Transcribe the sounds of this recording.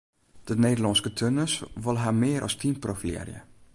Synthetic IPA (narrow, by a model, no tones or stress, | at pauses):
d̥ənedəlɑnskətʰønəsʋɔlˠɦamɪːəɾʔɔ̰stʰinprofilɛ̰rjə̰